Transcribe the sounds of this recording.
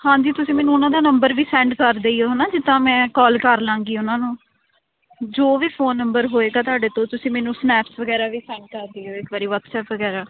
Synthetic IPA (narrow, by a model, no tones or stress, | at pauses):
hãːd͡ʒiːt̪ʊsĩːmɛːnũːʊnãːd̪aːnəmbəɾʋiːsɛ̃ːɳɖkəɾd̪eːiːɦoːnãːd͡ʒɪt̪ːãːmɛ̃ːkɔːlkəɾlãːŋɡiːʊnãːnũː | d͡ʒoːʋiːfʰoːnːəmbəɾɦoːeːɡaːt̪aːɖeːt̪õːt̪ʊsĩːmɛːnũːsnɛːpsʋəɡɛːɾaːʋiːsɛ̃ːɳɖ̚kəɾd̪iːɦoːɪkʋaːɾiːʋət̪sɛːpʋəɡɛːɾaː